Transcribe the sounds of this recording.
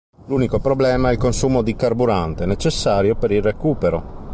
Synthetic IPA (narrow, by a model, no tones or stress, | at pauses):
luːnikopɾoblɛːmaɛlkonsuːmod̪ikarbuɾant̪enet͡ʃesːaːɾjopeɾilrekuːpeɾo̰